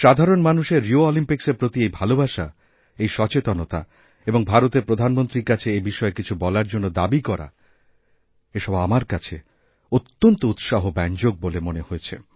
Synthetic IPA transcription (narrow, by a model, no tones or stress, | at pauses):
ʃad̪ʱaɾonmanuʃeɾːioɔlimpikseɾpɾot̪iejbʱalobʱaʃa | ejʃɔt͡ɕet̪onot̪a̰ | eboŋbʱaɾot̪eɾpɾod̪ʱanmont̪ɾiɾkat͡ɕʰeebiʃɔekit͡ɕʰubɔlaɾd͡ʑonːod̪abikɔɾa̰ | eʃɔbamaɾkat͡ɕʰe | ot̪ːont̪out̪ʃaɦobɛnd͡ʑoɡ̚bolemoneɦojet͡ɕʰḛ